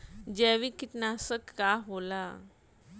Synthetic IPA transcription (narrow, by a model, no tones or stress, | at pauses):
d͡ʑɛʋikiʈnasəkːaɦola